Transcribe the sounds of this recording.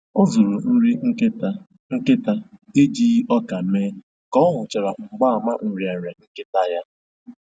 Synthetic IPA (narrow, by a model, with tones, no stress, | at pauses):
ʊ˦zʊ˨ɾʊ˨n̩˦ɾi˦ | ŋ̩˦kɪ˦ta˦e˦d͡ʒiː˦ɔ˦ka˨˦meː˦ | kɔ˦ɦʊ˨t͡ʃɪ˨ɾa˨ŋ͡m̩˨ɡ͡ba˦a˨ma˦n̩˨ɾi˨a˨ɾa˨ŋ̩˦kɪ˦ta˦ja˦